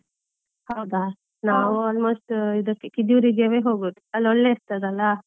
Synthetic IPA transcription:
hɐwd̪a | naːʋuaːlmoːsʈid̪ɐkːekid̪juɾid͡ʒɐʋeɦoːɡuʈ̪iɐlːɔɭːeːɾt̪ɐd̪ɐlːa

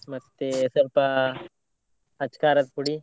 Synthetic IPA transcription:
mɐst̪esɐɾpa | ɐt͡ʃkaːɾɐt̪̚puɽi

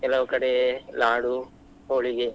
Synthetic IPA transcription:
kɛlɐʋɐkɐɽelaːɽu | oːɭiɡe

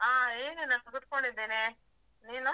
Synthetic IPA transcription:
aːeːnenat̪ɐɡut̪̚koɳɖid̪ːeːne | niːnu

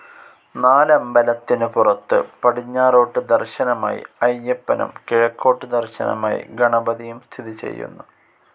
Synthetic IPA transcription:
naːlɐmbɐlɐt̪ːinɨpurɐt̪ːɨ̰pɐɽiɲːaːro̞ːʈːɨd̪ɐrɕɐnɐma̰ːjḭɐjːɐpːɐnɐ̰mkeɻɐkːo̞ːʈːɨd̪ɐrɕɐnɐ̰ma̰ːjḭɡɐɳɐbɐðijumst̪ʰiðit͡ɕe̞̰jːṵnːu

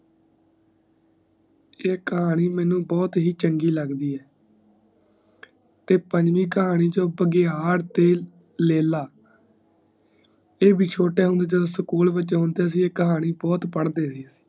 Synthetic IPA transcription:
eːkəɦaːniːmɛ̃ːnũːbɔːt̪ɦiːt͡ʃəŋɡiːləɡd̪iːɛː | t̪eːpəɲd͡ʒʋiːkəɦaːñiːd͡ʒõːbəɡeːɦaːɾt̪eː | leːlaː | eːbʱiːt͡ʃʰoːʈeːɦʊ̃nd̪eːd͡ʒəd̪õːsəkuːlʋɪt͡ʃːɦʊnd̪eːəs̬ĩːeːkəɦaːniːbɔːt̪pəɽd̪eːsiːəsi̥ː

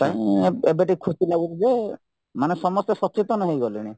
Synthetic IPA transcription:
t̪aĩebeʈikʰusilaɡuɾize | manesɔmɔst̪ɔsɔt͡ʃit̪ɔnɔɦejɡɔliɽ̃i

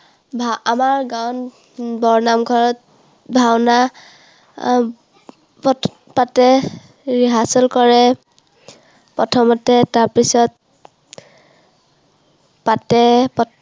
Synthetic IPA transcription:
bʱaamaɹɡawn | bɔɹnamɡʱɔɹɔt̚ | bʱawna | p | patɛ | ɹiɦasɔlkɔɹɛ | pɔtʰɔmɔtɛtaɹpisɔt̚ | patɛpɔ

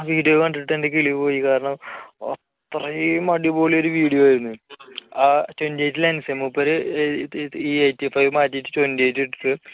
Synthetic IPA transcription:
ʋiːɽijokɐɳɖiɨʈːendek̬iɭiʋɨpo̞ːjikaːɾɐɳɐmɐ̰tt̪ːrɐmɐɽibo̞ːɭio̞ɾuʋiːɽijoaːjiɾunːuɨaːt͡ɕondiejtːilɐnusɐjɐmːupːɐɾɨ | iejtifɐjʋmaːtːijtːɨt͡ɕondieːjtːiʈːɨʈːɨ

